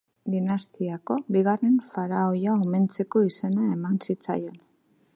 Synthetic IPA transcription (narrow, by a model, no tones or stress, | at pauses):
d̪inast̪iako̞biɣare̞ɱfaɾaojaome̞nt͡se̞ko̞ise̞nae̞mansit͡sa̰jo̞n